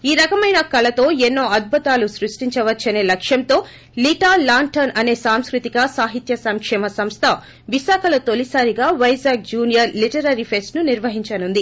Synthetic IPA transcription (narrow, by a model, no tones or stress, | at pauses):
iːɾɐkɐmɐjnɐkɐlɐt̪o̞ːɛnːo̞ːɐd̪̚bʱɐt̪aːlusɾuʂʈiɲt͡ʃɐʋɐt͡ʃːɐne̞ːlɐkʂjɐnt̪o̞ː | liʈaːlaːɳʈɐnɐne̞ːsaːmskɾut̪iɡɐsaːɦit̪jɐsɐŋkʂɛːmɐsɐmst̪ʰɐ | ʋiʃaːkʰɐlot̪olisaːɾiɡaːʋɐjzaːɡ̚d͡ʒuːnijɐɾliʈɐɾɐɾipʰe̞sʈnuniɾʋɐɦiɲt͡ʃɐnund̪i